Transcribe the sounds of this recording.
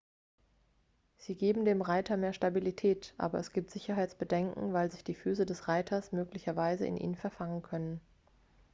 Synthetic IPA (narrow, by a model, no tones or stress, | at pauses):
z̥iːɡeːbm̩deːmʁaɪtʰɐmeːɐʃtabilitʰɛːtʔa̰ːbɐɛsɡ̥iːp̚tz̥ɪçɐɦaɪt͡sb̥ədɛŋkŋ̩vaɪlzɪçd̥iːfyːsədɛsʁaɪtʰɐsmøːklɪçɐvaɪzə̰ɪ̰nʔḭːnnfɛɐfaŋənkʰœnən